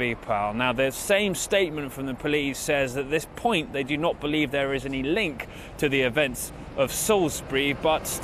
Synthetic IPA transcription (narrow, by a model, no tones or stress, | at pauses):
ipʰalˠnaʊðəsẽɪ̃msteɪʔ̚mə̃ntfɹə̃mðəpʰəliˑsɛzðəʔ̪̚ðɪspʰɔ̃ɪ̃nʔðeɪdɨnət̚b̥əlivðə˞ɪzɛnilɪ̃ŋk | tʰɨðiɪvɛ̃nts | ʔəv̥sɔʊlˠsbɹibʌts